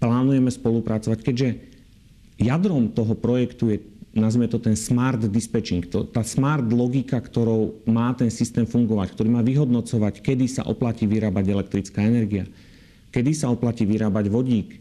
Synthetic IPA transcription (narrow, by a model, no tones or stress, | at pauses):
plaːnujɛmɛspɔlupɾat͡sɔʋackɛɟʒɛ | jad̪ɾɔmt̪ɔɦɔpɾɔjɛkt̪ujɛnazmɛt̪ɔt̪ɛnsmaːɾd̪ːispɛt͡ʃiŋkt̪ɔt̪aːsmaːɾd̪lɔɡikakt̪ɔɾɔʊmaːt̪ɛnsist̪ɛːmfuŋɡɔʋackt̪ɔɾiːmaːʋiɦɔd̪nɔt͡sɔʋackɛd̪isa̰ʔɔplaciːʋiɾaːbaɟɛlɛk̚t̪ɾit͡skaːɛnɛɾɡia | kɛd̪isaɔplaciːʋiɾaːbaɟʋɔɟiːk